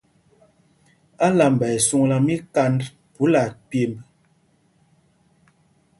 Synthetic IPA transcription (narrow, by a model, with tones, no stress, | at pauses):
a˦la˨m˨bɛ˨su˦˨ŋla˨mi˦ka˦nd | pu˨˦la˨pje˨mb